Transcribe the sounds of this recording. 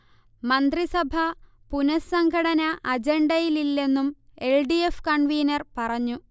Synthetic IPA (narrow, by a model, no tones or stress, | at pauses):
mɐnd̪risɐbʱɐ | punɐsɐŋɡʰʱɐɽɐnɐʔɐd͡ʑeɳɖɐjililːe̞nːumelɖiefkɐɳʋiːnɐrpɐrɐɲːu